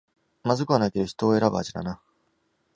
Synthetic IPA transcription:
mazɨkɯ̟anaiked̪oçi̥t̪o̞ːe̞ɾabɯa̰ʑid̪a̰na

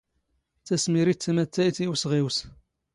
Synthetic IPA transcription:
t͡sːæsmiɾit͡sːæmæt͡s̪ːæjθiwsʁiws

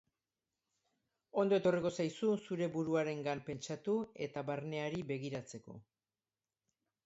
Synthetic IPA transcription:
o̞nd̪o̞e̞t̪o̞riko̞sajsusuɾe̞βuɾuaɾe̞ŋɡampe̞nt͡ʃat̪ue̞t̪aβaɾne̞aɾiβe̞ɣiɾat͡se̞ko̞̰

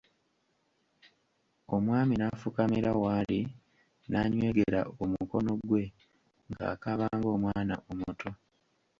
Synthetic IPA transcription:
o̞mwaːminafukamiɾawaːli | naɲwe̞ːɡe̞ɾa̰omuko̞no̞ɡwe̞ | ŋɡa̰ːkaβaːŋɡo̞ːmwaːna̰ʔomutʰo̞

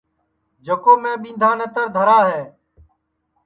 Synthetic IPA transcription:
d͡ʒəkoːmẽːɓĩːnd̪ʱaːnẽːt̪əɾd̪ʱəɾaːɦeː

